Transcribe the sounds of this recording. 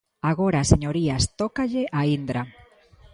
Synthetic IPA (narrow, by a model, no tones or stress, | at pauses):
aɣ̞oɾaseɲoɾiast̪okaʎeʔaind̪ɾa